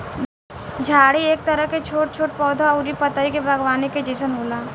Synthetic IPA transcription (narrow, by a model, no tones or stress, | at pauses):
d͡ʒʱaːɽieːk̚t̪ɐɾəɦket͡ʃʰoːʈ̚t͡ʃʰoːʈ̚pɔːd̪ʱaʊɾipɐt̪aikebɐɡwaːneked͡ʒisənɦoːlaː